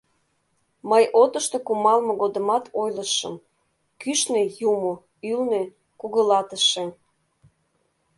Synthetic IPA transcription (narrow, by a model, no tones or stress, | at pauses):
məjʔot̪ə̆ʃt̪okumɑlmɤ̆ɣod̪ə̆mɑt̪ʰojləʃəm | kyʃnejumo | ylne | kuɣəlɑt̪əʃem